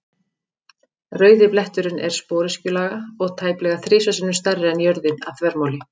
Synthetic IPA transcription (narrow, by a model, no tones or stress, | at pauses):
rœːɥðɪplɛht̪ʏɾʏnʔɛ̰ɾ̥spoːɾɪscʏlaːɣaɔɣt̪ʰaːjplɛɣaθɾɪːsasɪnʏmst̪arːɪɛnjœɾðɪnavθvɛɾmoːwlɪ